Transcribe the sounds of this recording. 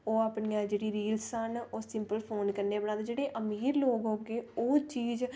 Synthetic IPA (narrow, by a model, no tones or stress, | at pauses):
oːaːpɳijãːd͡ʒeːɽiːɾiːlsənoːsɪmpəlpʰoːnkəɾneːbəɽaːd̪d͡ʒeːɽeːʔəmiːɾloːɡɦoːɡeːoːt͡ʃiːd͡ʒ